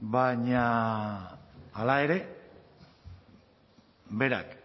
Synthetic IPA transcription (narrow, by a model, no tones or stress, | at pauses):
baɲa | alae̞ɾe̞ | be̞ɾa̰k